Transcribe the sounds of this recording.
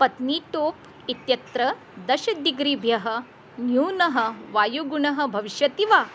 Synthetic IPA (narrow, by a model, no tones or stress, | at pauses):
pɐt̪niːʈoːp | it̪jɐt̪ɾɐ | d̪ɐʃɐd̪iɡɾiːbʱjɐɦɐ̆ | njuːnɐɦɐ̆ʋaːjuɡuɳɐɦɐ̆bʱɐʋiʃʋɐt̪iʋaː